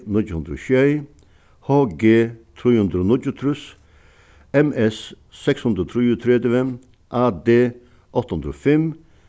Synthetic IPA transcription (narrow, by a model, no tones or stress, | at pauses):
nɪcːhʉnd̪ɾo̰ːʃœɪ | hoːɡeːt̪ʰɾiːhʉnd̪ɾoːnɪd͡ʒʊt̪ʰɾʉs | ɛmɛs | sɛkshʉnd̪ɾoːt̪ʰɾiːʊt̪ʰɾɛd̪əʋɛ | ʔɑːd̪eː | ʔɔt̪ːhʉnd̪ɾofɛm